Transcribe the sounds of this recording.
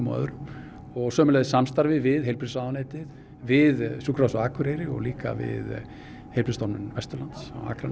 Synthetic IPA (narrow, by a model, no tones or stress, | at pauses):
mœ̰ːðʏɾʏm | ɔɣsœːmʏlɛðɪsamst̪aɾvɪvɪðɦejlpɾɪsaːwneːjt̪ɪð | vɪðsuːkɾawsaaːkʰʏɾejɾɪɔ̰ɣliːka̰vɪ̰ð | hejlpɾiɪst̪ɔɾnmɪnvɛst̪ʏɾlant̪sa̰wa̰ːkɾan